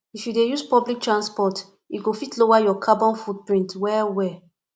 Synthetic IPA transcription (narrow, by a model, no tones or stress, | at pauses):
ifjudejuspɔblik̚tɹãnspɔt | iɡofitlowajɔkʰabɔ̃nfud̚pɹĩntwɛwɛ